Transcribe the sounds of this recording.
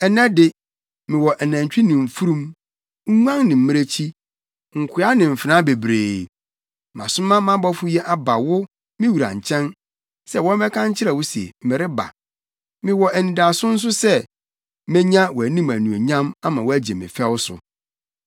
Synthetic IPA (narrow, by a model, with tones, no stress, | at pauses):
ɛ˨nã˦dɪ˦ | mɪ̃˨wɔ˨ʔæ˨næ̃˨ɲ˨t͡ɕᶣi˦nɪ̃˨fu˦ɾũ˦m | ŋ̩˦ŋʷ˦ã˦ŋnɪ̃˨m̩˦mɪ̃˦ɾe˦t͡ɕʰi˦ | ŋ̩˨kʷʰɪ˨˦a˦nɪ̃˨m̩˨fɪ˨nã˦be˨bɾeː˨ | mã̰˨sʊ̃˦mã˦mã˦bɔ˦fʊ˦jɛ˦ʔa˦ba˨wʊ˦ | mɪ̃˦wu˨ɾã̰˨ɲ̩˨t͡ɕʰɛ̃˦n | sɛ˦wɔ̃˦m˦ɛ˦kʰã˦ɲ˦t͡ɕʰɪ˦ɾɛ˨wʊ˦si˨ḛ˨m̩˨mɪ̃˨ɾɪ˦ba̰˨ | mɪ̃˨wɔ˨ʔæ˨nĩ˨da˨sʊ̃˦n̩˦s̬ʊ˦sɛ˦ | mɛ̃˦ɲã˦wɔ˨æ˨nĩ˦mæ̃˨nũ˨o˨ɲã˦ma˦mã˨wɔ˦æ˦d͡ʑe˨mɪ̰̃˨fɛ˦wsʊ̰˨